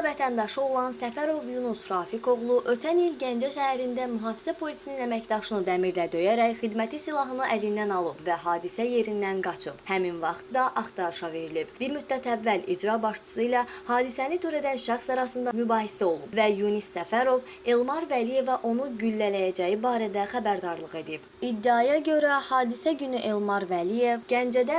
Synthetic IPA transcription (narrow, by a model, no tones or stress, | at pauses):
væt̪ʰænd̪ɑʃɯo̞lˠɑnsæfæɾo̞vjunusɾɑːfiko̞ɣlˠuʔø̞t̪ʰænilɟænd͡ʒæʃæhæɾind̪æmyɦɑːfi̥zæpʰo̞lisininæmæcd̪ɑʃɯnɯd̪æmiɾd̪æd̪ø̞jæɾæçχid̪mæt̪ʰisilˠɑɦɯnɯʔælind̪ænɑlˠɯbvæɦɑːd̪isæje̞ɾind̪ænɡɑt͡ʃʰɯb̥hæminvɑχt̪d̪ɑʔɑχt̪ɑɾʃɑve̞ɾilib̥biɾmyd̪̚d̪æt̪ʰævːælid͡ʒɾɑbɑʃt͡ʃʰɯ̥sɯilæhɑːd̪isænit̪ʰø̞ɾæd̪ænʃæχsɑɾɑsɯnd̪ɑmybɑːhisæo̞lˠubvæjunisːæfæɾo̞v | e̞lˠmɑɾvælije̞væʔo̞nuɟylːælæjæd͡ʒæjibɑːɾæd̪æxæbæɾd̪ɑɾlˠɯɣe̞d̪ib̥id̪ːiɑjɑɟø̞ɾæhɑːd̪isæɟynyʔe̞lˠmɑɾvælije̞vɟænd͡ʒæd̪æ